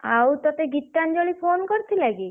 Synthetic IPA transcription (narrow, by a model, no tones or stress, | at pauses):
awt̪ɔt̪eɡit̪ːand͡ʒolipʰonkɔɾt̪ʰilaɡi